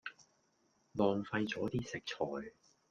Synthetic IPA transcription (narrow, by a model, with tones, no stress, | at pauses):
lɔː˨ŋfɐ˧jt͡sɔː˨˥t̪iː˥sɪ˨k̚t͡ʃʰɔː˨j